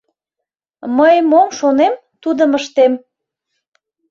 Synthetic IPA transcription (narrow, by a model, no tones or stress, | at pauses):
məjmomʃonem | t̪ud̪əməʃt̪em